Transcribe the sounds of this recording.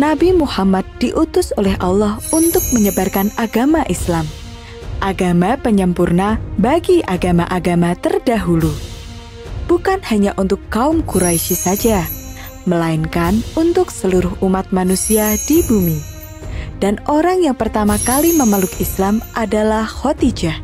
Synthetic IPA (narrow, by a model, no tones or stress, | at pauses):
nabimuhamad̪̚diʔut̪ʊsolɛɦʔalːɔhunt̪ʊk̚məɲəbarkanaɡamaʔislam | ʔaɡamapəɲəmpurnabaɡiʔaɡamaʔaɡamat̪ərdaɦulu | b̥ukanhaɲaʔunt̪ʊkːaʊmkuɾaiʃisad͡ʒa | məlaɪnkanunt̪ʊksəluɾʊɦumat̪̚manusiadibumi | d̥anoɾaŋjaŋpərt̪amakaliməməlʊkislamʔadalahhot̪id͡ʒa